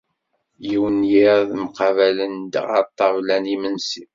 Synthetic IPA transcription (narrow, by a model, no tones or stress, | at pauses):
jiwənjiɾðmqɑvælənd̪ʁɑ̰t̪ˤːɑvlænimənsi